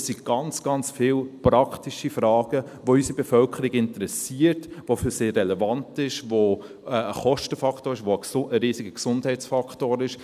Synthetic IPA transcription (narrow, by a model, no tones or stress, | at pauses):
siɡ̥ɑnt͡sɡ̥ɑnt͡sfɪːlpɾɑkʰtiʃifɾɑːɡ̥ə | ʋoysibɛfœlkʰəɾiɡɪntəɾɛsiːəɾtʋofyseːrːɛlɛvɑntɪʃʋo | ɛəχɔʃtəfɑkχtoːɾɪʃʋoəəɾiːsiɡəksʊndhɛɪt͡sfɑktoːɾɪʃ